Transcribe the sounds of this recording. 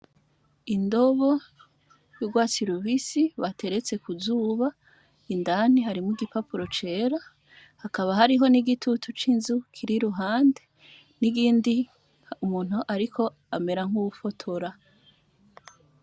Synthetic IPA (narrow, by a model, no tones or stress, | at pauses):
indo̞βo | juɡwaːt͡siɾuβisiβatʰe̞ɾe̞t͡se̞kuzuːβa | indan̥iɦaɾimuɡipapuɾo̞t͡ʃe̞ːɾa | hakaβaɦaɾiɦo̞niɡitutʰut͡ʃinzukʰiɾiɾuɦaːnde̞ | niɡiːndi | umuːn̥huʔaɾikʰo̞ | ame̞ɾaŋ̥uufotʰo̞ɾa